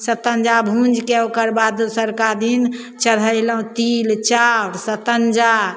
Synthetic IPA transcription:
sət̪ənd͡ʒabʱũnd͡ʒkeokəɾbad̪səɾkad̪in | t͡ʃəɽ̤əjləɦũt̪ilt͡ʃawɽsət̪ənd͡ʒa

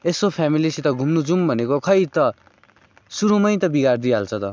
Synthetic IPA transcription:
esopʰamilisʰit̪ʌɡʱumnud͡zumbʱʌnekokʰʌjt̪ʌ | suɾumʌjt̪ʌbiɡard̪ialt͡sʰʌt̪ʌ

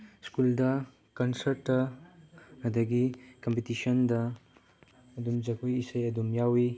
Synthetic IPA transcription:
skuldɐ | kɐnsɐɾʈːɐ | ɐdɐɡikɐmpetisɔndɐ | dumd͡ʒɐkujisɐjɐdumjawi

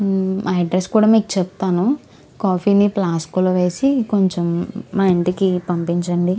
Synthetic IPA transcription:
ɐɖɾeskuːɽaːmiːku̥t͡ʃɛp̚t̪aːnu | kaːpʰiːniplaːskuloʋe̞ːsiko̞ɲt͡ʃemːaːeɳʈikipɐmpiɲt͡ʃɐɳɖi

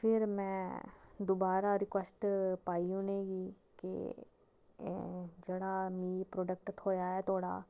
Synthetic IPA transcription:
fʰɪɾmɛ̃ːd̪oːbaːɾaɾɪkʋəsʈpaːĩʊneːɡi | kḛ | d͡ʒeːɽaːmiːpɾoːɖək̚ʈt̪ʰoːjaːɛːt̪ʰoːɽa̰ː

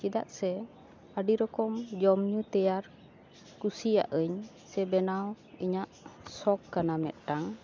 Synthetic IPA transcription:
t͡ʃid̪a̰ʔsɛ | aɖiɾɔkɔmd͡ʒɔmɲut̪ɛjaɾ | kusija̰ʔəɲ | sɛbɛnaw | iɲaʔsɔkːanamɛ̰t̪̚ˀʈaŋ

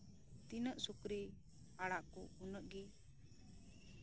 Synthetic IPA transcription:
t̪inəʔsukɾi | aɽaʔkɔ̰unəʔɡɛ

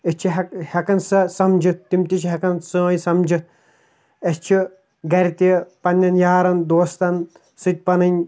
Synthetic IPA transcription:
est͡ʃʰiɦɐkhɐkɐnsɐsɐmd͡ʒit̪̚ːimt̪it͡ʃʰiɦɐkɐnsɨ̃jsɐmd͡ʒit̪̚ | est͡ʃʰi | ɡɐɾit̪ipɐnʲːɐnjaːɾɐnd̪oːst̪ɐn | sɨt̪̚ʲpɐnɨnʲ

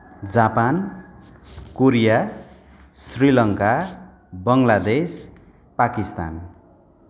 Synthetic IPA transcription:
d͡zapan | koɾija | srilʌŋka | bʌŋlad̪es | pakist̪a̰n

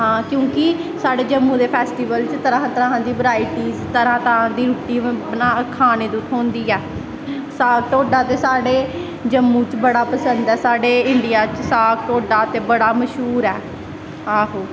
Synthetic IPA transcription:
ɦãːkjõːkɪsaːɖeːd͡ʒəmːũːd̪eːpʰɛːsʈiːʋəlt͡ʃt̪əɾãːɦãːt̪əɾãːɦãːd̪iːbəɾaːiːʈiːzt̪əɾãːt̪əɾãːd̪iːɾuːʈːiːnaːkʰaːneːd̪ut̪ʰɦõːnd̪iːɛː | saːkʈoːɖaːt̪eːsaːɖeː | d͡ʒəmːũːt͡ʃbəɽaːpəsənd̪ɛːsaːɖeːɪɳɖijaːt͡ʃsaːk̚ʈoːɖaːt̪eːbəɽaːməʃɦuːɾɛː | aːɦoː

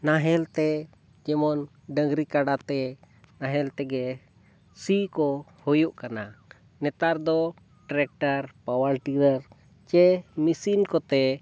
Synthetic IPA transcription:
naɦɛlt̪ɛ | d͡ʒɛmɔn | ɖəŋɡɾikaɖat̪ɛ | naɦɛlt̪ɛɡɛ | sikɔhɔjuʔkana | nɛt̪aɾd̪ɔ | ʈɾɛk̚ʈaɾpawalʈiɾəɾ | t͡ʃɛmisinkɔt̪ɛ

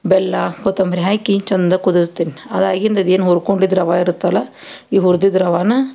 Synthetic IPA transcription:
bɛlːaːkot̪ːɐmɾiɦaːjkiɲt͡ʃɐnd̪ɐkud̪ɐst̪ːinɐd̪aːɡind̪ɐd̪eːnɦuɾkoɳɖid̪ɾɐʋaːiɾɯt̪ːɐlɐ | iːɦuɾd̪id̪ɾɐʋaːnɐ

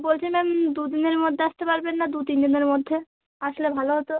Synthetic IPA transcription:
bolt͡ɕʰemɛmd̪ud̪ineɾmod̪ʱːeaʃt̪epaɾbenːad̪ut̪ind̪ineɾmod̪ʱːe | aʃolebʱaloɦot̪o

